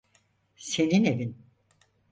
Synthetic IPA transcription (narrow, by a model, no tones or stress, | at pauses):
se̞ninevin